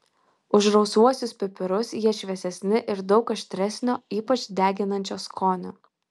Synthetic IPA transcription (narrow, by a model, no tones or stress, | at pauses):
ʊʒɾɒʊsuɔsʲʊspʲɪpʲɪɾʊsjiɛʃʲʋʲɛsʲɛsʲnʲɪʔɪɾd̪ɒʊkɐʃʲt̪ʲɾʲɛsʲnʲoːiːpɐt͡ʃʲd̪ʲæːɡʲɪnɐnʲt͡ʃʲoːskʰoːnʲʊ̰